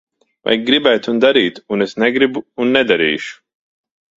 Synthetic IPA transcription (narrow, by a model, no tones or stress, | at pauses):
va̰jɡɾibæt̪und̪aɾiːt̪unesnɛɡɾibuːnːɛd̪aɾḭːʃu̥